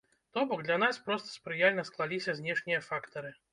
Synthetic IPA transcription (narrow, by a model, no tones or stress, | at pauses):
t̪ɔbɔɡd̪lʲanaspɾɔst̪ɐ̥spɾɨjalʲnɐsklˠalʲisʲɐzʲnʲɛʂnʲijɐfakt̪ɐɾɨ